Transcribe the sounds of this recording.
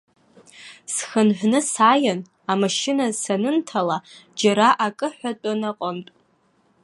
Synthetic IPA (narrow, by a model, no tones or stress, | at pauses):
sxənħʷnɨsaːjan | amaʃɪnasanɨntʰalad͡ʒaɾaʔakʼɨħʷatʷʼanaqʼəntʼ